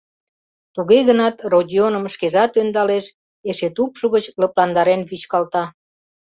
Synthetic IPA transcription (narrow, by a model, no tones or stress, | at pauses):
t̪uɣeɣənɑt̪rodʲionəmʃkeʒɑt̪ønd̪ɑleʃ | eʃet̪upʃuɣət͡ɕləplɑnd̪ɑɾenβyt͡ɕkɑlt̪ɑ